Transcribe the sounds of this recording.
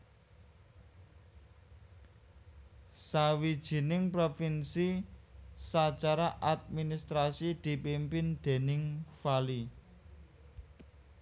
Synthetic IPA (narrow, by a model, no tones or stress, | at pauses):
sawid̥ʒ̥i̤nɪŋpɾofinsi | sat͡ʃaɾaʔad̪̚minist̪ɾasid̪̥i̤pimpɪnd̪̥e̤nɪŋfali